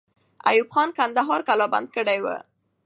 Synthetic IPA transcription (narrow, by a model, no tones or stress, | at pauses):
a̰jubxɑnkand̪aɦɑɾkalɑba̰nd̪̚kəɽajwə̰